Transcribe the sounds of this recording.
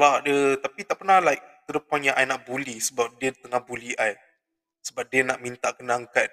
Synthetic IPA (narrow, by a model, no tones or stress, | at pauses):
wadət̪apit̪aʔpərnalaik̚t̪əɾəpanjãʔajnaʔbulisəbap̚diət̪əŋahbuliaj | səbap̚diənaʔmint̪aʔkənaŋkat̚